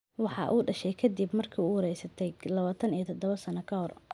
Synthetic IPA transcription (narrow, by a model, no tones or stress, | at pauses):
wɑħɑ̰ʔuːɖɐʃɛjkʰɐd̪ibmɐrkʰɐuhɔɾɛjsɐt̪ʰɛjlɐβaːt̪ʰɐnijɞt̪ʰɔd̪ɔβɐsɐnɐkʰɐɦɔr